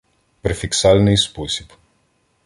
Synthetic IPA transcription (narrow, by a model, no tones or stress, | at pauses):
pɾɛfiksalnispusip